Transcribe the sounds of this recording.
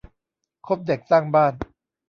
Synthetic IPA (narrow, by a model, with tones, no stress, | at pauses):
kʰo˦˥p̚de˨˩k̚saː˥˩ŋbaː˥˩n